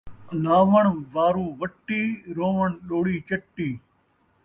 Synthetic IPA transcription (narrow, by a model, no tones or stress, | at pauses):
naːʋəɳʋaːɾuːʋəʈːiːɾoːʋəɳɗoːɽiːt͡ʃəʈːiː